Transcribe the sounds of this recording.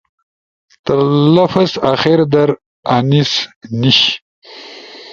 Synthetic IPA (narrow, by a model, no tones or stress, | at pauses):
t̪əɾlafɐsaxeɾd̪ɐɾ | anisniɕ